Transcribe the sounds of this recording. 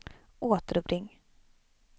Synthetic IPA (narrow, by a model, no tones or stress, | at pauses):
ʔoːt̪əɾɵbɾɪŋː